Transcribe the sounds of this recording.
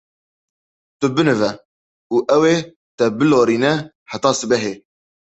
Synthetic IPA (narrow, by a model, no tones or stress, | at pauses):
t̪ɨbɨnɨvɛ | uːʔɛweː | t̪ɛbɨloːɾiːnɛ | ħat̪ɑːsɨbɛɦeː